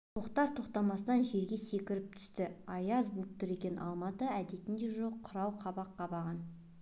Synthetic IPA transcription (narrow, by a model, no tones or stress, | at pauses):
t̪ʰoqt̪ɑɾt̪ʰo̞qt̪ɑmɑsət̪ɑnʒe̞ɾɡʲe̞se̞kʲɪɾɪp̚t̪ʰʏ̥st̪ɪɑjɑzbup̚t̪əɾe̞kʲe̞nʔɑ̰lˠmɑt̪əæd̪e̞t̪ɪnd̪e̞ʒoqʰːʊɾɑwqʰɑbɑqːɑbɑʁɑn